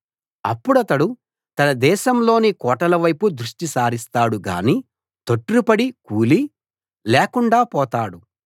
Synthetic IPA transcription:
ɐ̰pːuɽɐt̪ɐɽu | t̪ɐnɐd̪ɛːʃɐmlo̞ːnikɔːʈɐlɐʋɐjpud̪ɾuʂʈisaːɾist̪aːɽuɡa̰ːniː | t̪oʈːuɾupɐɽikuːli | lɛːkuɳɖaːpɔːt̪aːɽu

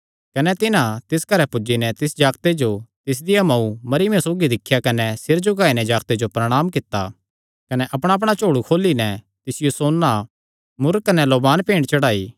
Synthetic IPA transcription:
kɐnɛt̪ɪnãt̪ɪskɐɾɛpʊd͡ʒinɛt̪ɪsd͡ʒaːkt̪ed͡ʒot̪ɪs̬d̪ɪjamɐumɐɾɪmẽsoːɡid̪ɪkʰːjakɐnɛsɪɾd͡ʒʊɡaːinɛd͡ʒaːɡt̪ed͡ʒopɾɐɽ̃aːmkɪt̪ːa̰ | kɐnɛʔɐpɽ̃aɐpɽ̃at͡ʃoːɽukʰoːlinɛ | t̪ɪsɪjosoːnːa | mʊɾkːɐnɛloːbaːnpẽːɳɖt͡ʃɐɽaːiː

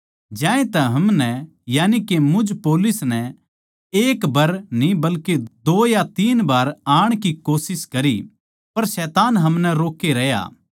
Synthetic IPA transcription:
d͡ʒãːẽt̪ɛ̃ɦɐmnɛ | jaːnikemʊ̃d͡ʒpoːlʊsnɛ | eːkbɐɾnĩbɐlked̪oːjat̪iːnbaːɾaːɽ̃kikoːsɪskɐɾi | pɐɾsɛːt̪aːnɦɐmnɛɾoːkːeɾɐɦja̰ː

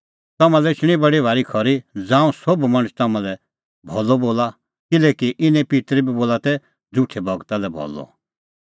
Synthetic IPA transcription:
t̪ɐmãlɛɪt͡ʃɽ̃ibɐɽibʱaːɾikʰɔɾid͡zãːũsobmɐ̃ɽ̃st̪ɐmãlɛ | bʱɔlɔboːla | kɪlɛːkiʔɪnɛ̃pit̪ɾibiboːlat̪ɛ | d͡zʊʈʰɛbʱɐɡt̪alɛbʱɔ̰lːɔ̰

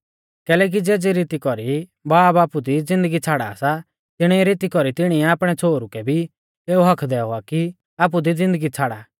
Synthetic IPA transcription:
kɛːlɛːk̬id͡zeːd͡ziɾiːt̪ikɔɾibaːbaːpud̪id͡zɪ̃nd̪əɡit͡sʰaːɽa̰ːsa | t̪ɪɽ̃iɛɾɪt̪ikɔɾit̪ɪɽ̃iɛaːpɽ̃ɛt͡sʰoːɾukɛbʱi | eːuɦɐkʰd̪ɛʊaki | aːp̬ud̪id͡zɪ̃nd̪əɡit͡sʰaːɽa

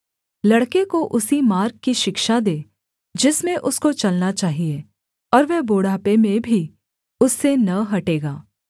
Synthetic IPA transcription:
lɐɽkekoʔʊsimaːɾkkiʃɪkʃad̪eː | d͡ʒɪsmẽʔʊskot͡ʃɐlnat͡ʃaːɦie | ɔːɾʋɛboːɽaːpemẽbʱi | ʊsːenɐɦɐʈeːɡaː

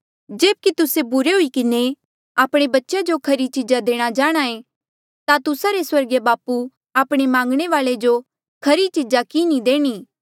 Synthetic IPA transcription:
d͡ʒeːb̚kit̪ʊsebʊɾeɦʊikɪne | aːpɽ̃ebɐtːʃad͡ʒokʰɐɾit͡ʃɪd͡ʒad̪eːɽ̃ad͡ʒaːɽ̃aːẽ | t̪at̪ʊsaɾeswɐɾɡebaːpu | aːpɽ̃emãːŋɡɽ̃eʋaːɭed͡ʒo | kʰɐɾit͡ʃɪd͡ʒakinid̪eːɽ̃iː

